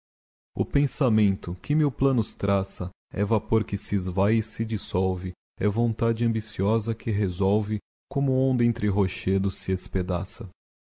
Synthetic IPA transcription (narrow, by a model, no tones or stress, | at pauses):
ʊ̰pẽsamẽnt̪ʊkɪmewplɐ̃nʊst̪ɾasɐ | ɛ̰vapoɾkɪsɪzvajɪsɪd͡ʒisɔwvɪ | ɛvõnt̪ad͡ʒɪɐ̃mbisiɔzɐkʰɪɦezɔwvɪ | kõmʊõnd̪ɐẽnt̪ɾɪɦoʃed̪ʊsːɪesped̪a̰sɐ